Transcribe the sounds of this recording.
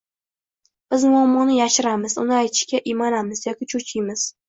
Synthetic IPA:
b̥ɪzmʊamːɒnɪjaʃɪɾamɪzʊ̰nɪajt̪ʰɪ̥ʃkʲaʔɪmanamɪzjɒkʲɪt͡ʃʰut͡ʃʰɪjmɪz̥

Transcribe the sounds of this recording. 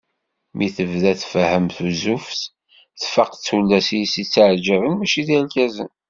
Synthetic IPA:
miθəvðæθfəhəmθuzufθ | θfəqt͡sːulːæsijsit͡sːaʕd͡ʒəvənmæʃiðilkæzə̰n

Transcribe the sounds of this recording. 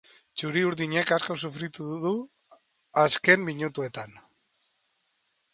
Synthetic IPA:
t͡ʃuɾiuɾðiɲe̞kasko̞sufɾit̪uððu | aske̞mmiɲut̪ue̞t̪an

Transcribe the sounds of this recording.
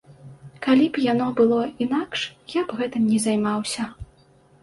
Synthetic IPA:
kalʲibjanɔbɨlˠɔinakʂjabɣɛt̪ɨmnʲɛzajmawsʲɐ

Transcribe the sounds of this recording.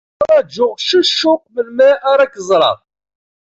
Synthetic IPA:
æd͡ʒːʊʁʃəʃːʊq̚məlmæʔaɾakːəzˤɾˤɑ̰

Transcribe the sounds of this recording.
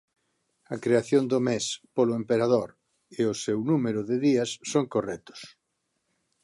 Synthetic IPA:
ɐkɾeaθjond̪ʊmespolʊempeɾaðoɾ | eʊsewnumeɾʊðeðiɐsːoŋkorɛt̪ʊ̥s

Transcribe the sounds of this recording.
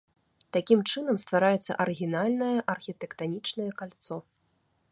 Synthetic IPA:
t̪akʲimt͡ʂɨnɐmst̪vaɾajɛt̪sːɐ̰ʔɐɾɨɣʲinalʲnɐjɐʔɐrxʲit̪ɛkt̪anʲit͡ʂnɐjɛkalʲt̪sɔ

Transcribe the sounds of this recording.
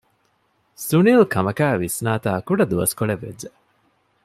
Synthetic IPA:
sunilkʰɐmɐkæːʋisnaːt̪aːkuɖɐd̪uʋɐskoɭeʋːḛd͡ʒd͡ʒe

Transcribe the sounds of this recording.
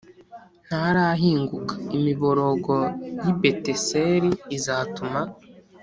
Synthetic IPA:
n̥haɾaɦiːŋɡukḁimiβo̞ɾo̞ɡo̞jibe̞te̞seɾiːzatuma

